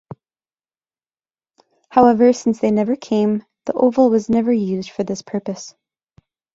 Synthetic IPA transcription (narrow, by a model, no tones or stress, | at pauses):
haʊɛvə˞sɪ̃nsðeɪnɛvə˞kʰẽɪ̃m | ðḭʔoʊvl̩ˠwʌznɛvə˞jʉzd̥fə˞ðɪspʰɜ˞pɨs